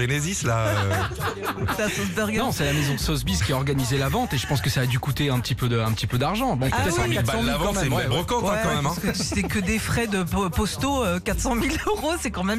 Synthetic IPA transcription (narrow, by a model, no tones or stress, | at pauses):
enezisla | sasɔzd̪ɛʁɡanɔ̃sɛlamezɔ̃d̪əsɔzbizkʲiaɔʁɡanizelavɑ̃t̪eʒə̥pɑ̃skəsaːd̪ykut̪eɛ̃pət̪ipød̪əɛ̃pət̪ipød̪aʁʒɑ̃bɛ̃p̪ɛtwɛmitbasɑ̃mliavɑ̃t̪ɛɛʁɔkɑ̃kww̃ɛɑ̃mɛɛmɛ̃skət̪y̥sɛkəd̪efχɛd̪əpɔst̪oøkat̪χsɑ̃miløʁosɛkɑ̃mɛm